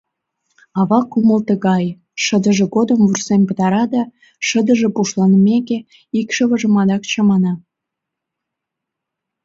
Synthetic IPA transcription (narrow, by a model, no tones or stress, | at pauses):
ɑβɑkuməlt̪əɣɑj | ʃə̆d̪ə̆ʒĕɡod̪əmvursempət̪ɑɾɑd̪ɑ | ʃəd̪ə̆ʒĕpuʃlɑnəmʲeke | ikʃə̆βə̆ʒə̆mɑd̪ɑkt͡ɕɑmɑnɑ